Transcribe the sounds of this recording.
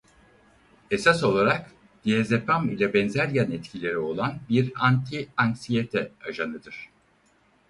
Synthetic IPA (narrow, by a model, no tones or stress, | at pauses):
e̞saso̞lˠaɾak | d̪̥ijezepamilʲɛbɛnzæɾjanɛt̪cʰilʲe̞ɾio̞lˠanbiɾant̪ʰiaŋksijet̪ʰɛaʒanˠɯd̪ɯɾ̥